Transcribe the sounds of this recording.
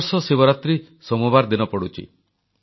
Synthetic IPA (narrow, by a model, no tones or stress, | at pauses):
ɾsɔsebɔɾat̪ɾi | sɔmɔbaɾd̪inɔpɔɽut͡ʃʰḭ